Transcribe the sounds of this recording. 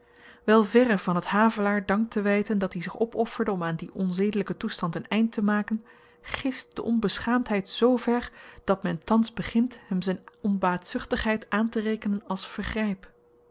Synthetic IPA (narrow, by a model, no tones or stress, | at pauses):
ʋɛlˠvɛrəvɑnɦətɦaːvəlaːɹdɑŋk̚tʰəʋɛjtəndɑtdizɪχɔpɔfəɹdəɔmaːndiʔɔnzejdələkətustɑntənɛjntəmaːkən | χɪst̚d̥ə̰ʔɔnbəsχaːmtɦɛjtsowvɛɹd̥ɑtmɛntɑnzbəχɪntɦɛmzɛjnɔnbaːtsʏχtəχɦɛjtaːntərejkənənɑlˠsfəɹχrɛjp